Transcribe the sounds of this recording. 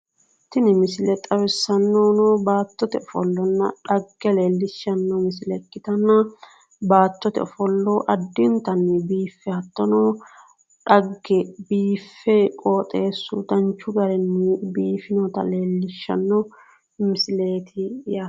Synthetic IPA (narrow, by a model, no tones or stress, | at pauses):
t̪ɪnɪmɪsɪlɛt̪ʼɐwɛsːɐnːɔnɔbaːt̪ːɔt̪ɛɔfɔ̰lːɔnːɐᶑɐɡːɛleːlːɪʃːɐnːɔmɪsɪlɛkːɪt̪ɐnːɐ | baːt̪ːɔt̪ɛ̰ɔfɔlːɔʔɐd̪ːɪnt̪ɐnːɛbiːfːɛhɐt̪ːɔnɔ | ᶑɐɡːɛbiːfːɛkʼoːt̪ʼeːsṵːt̪ɐnt͡ʃːʊɡɐɾɛnːɛbiːfɪnɔt̪ɐ̰le̞ːlːɪʃːɐ̰nːɔ | mɪsɪleːt̪ʰɪja